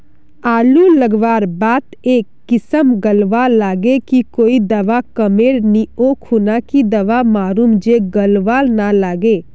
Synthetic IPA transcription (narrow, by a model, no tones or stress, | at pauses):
aːluləɡʋaːɾbaːt̪eːkːɪsəmɡəlʋalːaːɡekikoːid̪ɐʋakəmeːɾnioːkʰunakid̪ɐʋamaːɾuːmd͡ʒeɡəlʋaːlnalaːɡeː